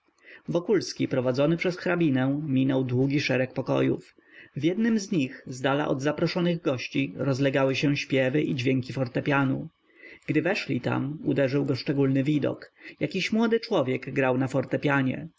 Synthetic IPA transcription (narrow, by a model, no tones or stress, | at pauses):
vɔkulskʲipɾɔvad̪zɔnɘpʂɛsxɾabʲinɛ̃mʲinɔwd̪wuɡʲiʂɛɾɛk̚pɔkɔ̰jṵf | vʲjɛd̪nɘmzɲixzd̪ala̰ʔɔ̰d̪zapɾɔʂɔnɘɣɡɔɕt͡ɕiɾɔzlɛɡawɘɕɛɕpʲjɛvɘʔid͡ʑvʲjɛŋkʲifɔɾt̪ɛpʲjanu | ɡ̥d̪ɘvɛʂlʲit̪a̰mud̪ɛʐɘwɡɔʂt͡ʂɛɡulnɘvʲid̪ɔ̰kjakʲiɕmwɔd̪ɘt͡ʂwɔvʲjɛɡɡɾawnafɔɾt̪ɛpʲjaɲɛ̰